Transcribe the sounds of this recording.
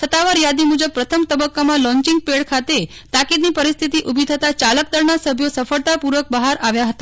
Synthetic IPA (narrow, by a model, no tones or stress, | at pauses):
sət̪ːaʋaɾjad̪imud͡ʒəb̚pɾət̪ʰəmt̪əbəkːamãlɔ̃ɲt͡ʃiŋɡ̚peɭkʰat̪e | t̪akid̪nipəɾist̪ʰit̪iʔubʱit̪ʰət̪at͡ʃalək̚d̪əɾnasəbʱjosəfəɭt̪apuɾʋək̚bəɦaɾʔaʋjaɦət̪a